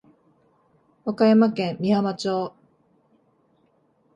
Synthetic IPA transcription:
βakajamakẽ̞mːʲiamat͡ɕoː

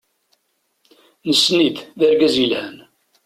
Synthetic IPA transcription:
nəsːniððəɾɡæzilhən

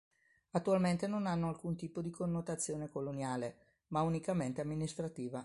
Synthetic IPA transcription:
at̪ːualment̪enonanːoalkunt̪iːpod̪ikonːot̪at̪sːjoːnekolonjaːle | maunikament̪eamːinist̪ɾat̪iːva

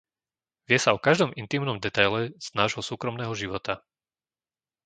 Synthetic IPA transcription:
ʋɪɛsaɔkaʒd̪ɔmʔint̪iːmnɔmd̪ɛt̪ajlɛz̥naːʒɦɔsuːkɾɔmnɛːɦɔʒiʋɔt̪a

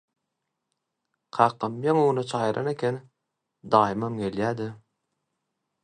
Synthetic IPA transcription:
qʰɑːqʰɯmjɑŋuunɯt͡ʃʰɑːjɯɾʔɑ̰nekʲʰen | d̪ɑːjɯmɑmɡeljæːd̪ɪ

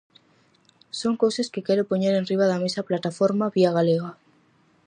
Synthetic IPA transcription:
so̞ŋkowseskekeɾopoɲeɾenriβaðame̞saplat̪afoɾmaβiaɣ̞aleɣ̞a

